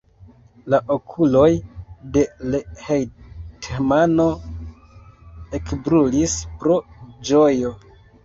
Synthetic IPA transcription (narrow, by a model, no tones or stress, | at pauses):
laʔokʰulo̞jde̞lehejtʰemano̞ | e̞kbɾulispɾo̞d͡ʒojo̞